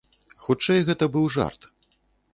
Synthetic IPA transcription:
xut͡ʂɛjɣɛt̪ɐbɨwʐa̰rt̪

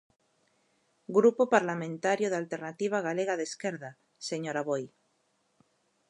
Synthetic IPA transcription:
ɡɾupopaɾlamẽnt̪aɾjoðalt̪eɾnat̪iβ̞aɣ̞aleɣaðeskeɾða | seɲoɾaβoj

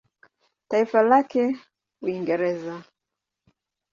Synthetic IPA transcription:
taifalakɛ | uiŋɡɛɾɛza

